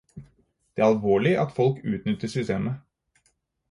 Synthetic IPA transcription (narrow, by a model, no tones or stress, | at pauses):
d̪̥ɛæɾɑlʋoːɭɪʔɑt̪fɔlkʉ̰ːt̪nʏt̪ːəʂʏst̪eːmə